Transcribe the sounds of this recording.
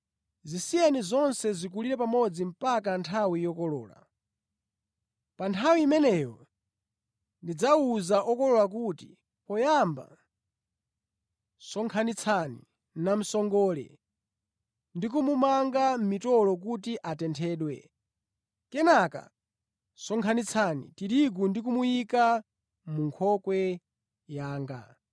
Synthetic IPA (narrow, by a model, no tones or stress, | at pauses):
zisiɛnizɔnsɛzik̬uliɾɛpamɔd͡zim̩pak̬antʰawijɔkɔlɔ̰ːla̰ | pantʰawiimɛnɛjɔ | ndid͡zauzaʔɔkɔlɔlak̬uti | pɔjamba̰ | sɔŋkʰanit͡sʰanḭ | nam̩sɔŋɡɔːlɛ̰ | ndik̬umumaŋɡam̩mitɔlɔk̬utiʔatɛntʰɛːɗwɛ̰ | kɛnaka̰ | sɔŋkʰanit͡sʰanḭtiɾiɡ̬undik̬umujika | muŋkʰɔkwɛ | jaːŋɡa̰